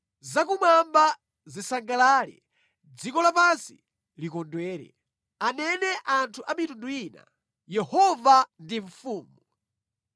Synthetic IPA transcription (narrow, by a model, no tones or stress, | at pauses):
zakumamba | zisaŋɡalaːlɛ̰ | d͡zikɔlapansi | likɔndwɛːɾɛ̰ | anɛnɛʔantʰuʔamitunduina̰ | jɛhɔvandiɱfuːmu